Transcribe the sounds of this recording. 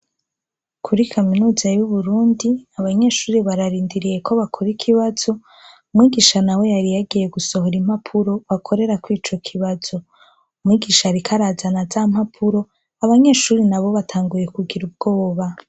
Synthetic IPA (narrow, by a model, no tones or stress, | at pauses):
kʰuɾikʰaminuːzajuβuɾuːndiaβaɲe̞ːʃuːɾiβaɾaɾiːndiɾije̞kʰo̞βakʰo̞ɾikʰiβaz̥o̞ | umŋiːɡiʃanawe̞jaɾijaɡije̞ɡuso̞ɦoɾim̥apʰuɾo̞βakʰo̞ɾe̞ɾakwiːt͡ʃo̞kʰiβazo̞ | umŋiːɡiʃaɾikʰaɾazanazaːmapʰuɾo̞ | aβaɲe̞ːʃuːɾinaβo̞βatʰaːŋɡuje̞kuɡiɾub̚ɡ̥o̞ːβa